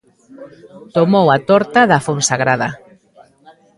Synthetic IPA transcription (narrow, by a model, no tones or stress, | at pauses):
t̪omowat̪ɔɾt̪aðafonsaɣɾaða